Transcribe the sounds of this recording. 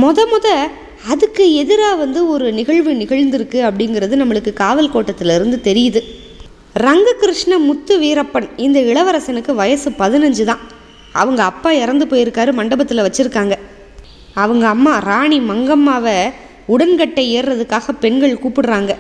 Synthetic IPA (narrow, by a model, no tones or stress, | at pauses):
mɔðɐmɔðɐ | ɐðɯkːɯɛðɯɾaːʋɐnd̪ɯɔɾɯnɪɣɐɭʋɯnɪɣɐɻnd̪ɪɾɯkːɯɐpːɐɽɪŋɡɪɾɐðɯnɐmːɐɭɯkːɯkaːʋɐlkoːʈːɐt̪ːɪlɪɾɯnd̪ɯt̪ɛɾɪjɐðɯ | ɾɐŋɡɯkːɪɾɪʂɳɐmʊt̪ːɯʋiːɾɐpːɐnɪnd̪ɐɪɭɐʋɐɾɐsɛnɯkːɯʋɐjɐsɯpɐðɪnɐɲd͡ʒɯt̪ãː | ɐ̰ʋɐŋɡɐːpːaːɪɾɐnd̪ɯpoːjɪɾɯkːaːɾɯmɐɳɖɐbɐt̪ːɪlɐʋɐt͡ʃːɪɾɯkːaːŋɡɐ | ɐʋɐŋɡɐːmːaːɾaːɳimɐŋɡɐmːaːʋɐ | ʊɽɐnkɐʈːɐeːrːɐðɯkːaːɣɐpɛɳɡɐɭkuːpːɪɽɯɾaːŋɡɐ